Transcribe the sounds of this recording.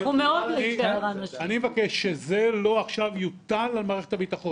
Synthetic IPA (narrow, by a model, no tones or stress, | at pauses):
umeodleieʁanaanimevakeʃːezelo̞aχʃavjut̪alalmaːʁeχetabitaχo̞n